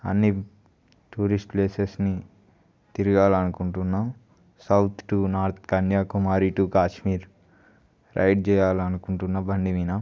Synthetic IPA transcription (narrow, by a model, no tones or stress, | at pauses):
ɐ̰nːi | ʈuːɾisʈpleːsesni | t̪iɾiɡaːlɐnukuɳʈunːaːm | sɐwt̪ʰʈunaːɾt̪ʰkɐnjaːkumaːɾiʈukaːʃmiːɾ | ɾʔɐ̰jʈ̚t͡ʃɛːjaːlɐnukuɳʈunːɐbɐɳɖiʋiːnɐ